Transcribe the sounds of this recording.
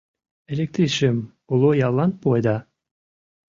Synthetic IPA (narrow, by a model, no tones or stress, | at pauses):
elʲek̚t̪ɾiʃem | ulˠojɑlˠːɑnpojd̪ɑ